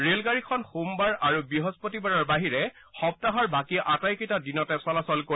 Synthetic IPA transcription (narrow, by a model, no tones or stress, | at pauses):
ɹelɡaɹikʰɔnxumbaɹaɹubiɦɔzpotibaɹɔɹbaɦiɹɛ | xɔp̚taɦɔɹbakiʔatajkitadinɔtɛsɔlasɔlko